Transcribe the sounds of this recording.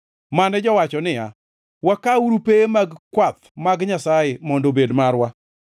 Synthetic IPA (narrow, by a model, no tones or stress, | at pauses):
manɛd͡ʒɔwat͡ʃɔnɪja̰ | wakauɾupemaɡkwat̪̚maɡɲasajemɔndobedmarwa